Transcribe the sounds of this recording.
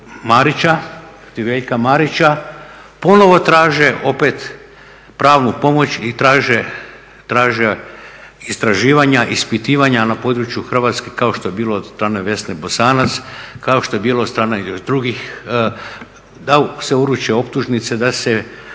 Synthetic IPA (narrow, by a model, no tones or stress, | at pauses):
maɾit͡ʃa | t̪iʋeʎkamaɾit͡ɕa | po̞no̞ʋo̞t̪ɾaːʒeʔo̞pet̪ | pɾaːʋnupo̞mo̞t͡ɕit̪ɾaːʒe | t̪ɾaːʒe | ist̪ɾaʒiːʋaɲaʔispit̪iːʋaɲanapo̞ːd̪ɾut͡ʃjuxr̩ʋaːt̪skekao̞ʃt̪o̞je̞biːlˠoːd̪st̪ɾaːneʋe̞snebo̞saːnat̪skao̞ʃt̪o̞je̞biːlˠod̪st̪ɾaːned̪ɾuɡix | d̪aseuɾut͡ʃeo̞p̚t̪uʒnit̪se̞d̪ase